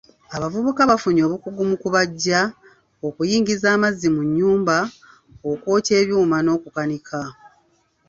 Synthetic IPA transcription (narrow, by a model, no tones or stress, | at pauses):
aβavuβukaβafuɲo̞ːβukuɡumukuβaɟːa | o̞kujiːŋɡizaːmazːimuɲːuːmba | okwo̞ːte̞ːβjuːmano̞ːkukanikʰa